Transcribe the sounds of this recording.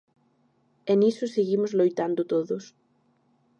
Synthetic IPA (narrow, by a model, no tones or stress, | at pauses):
enisʊseɣimʊzlojt̪and̪ʊt̪oðʊs